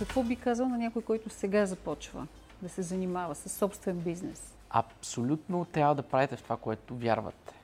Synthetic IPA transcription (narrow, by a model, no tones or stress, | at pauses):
kɐkvɔbikazəlˠnɐnʲakojkɔjt̪ʊsɛɡazɐpɔt͡ʃvə̰ | d̪ɐsɛzɐnimavəsɐsːɔpst̪vɛnbiznɛs | ɐ̰psolʲut̪not̪ɾʲjavəd̪ɐpɾavɛt̪ɛft̪ovakoɛt̪ʊvjaɾvə̰t̪ɛ̥